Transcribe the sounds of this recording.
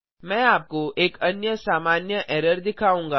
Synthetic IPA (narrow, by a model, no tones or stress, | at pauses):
mɛ̃ːaːp̚koʔeːkɐnjəsaːmaːnjəʔɛːɾəɾd̪ɪkʰaːũːŋɡaː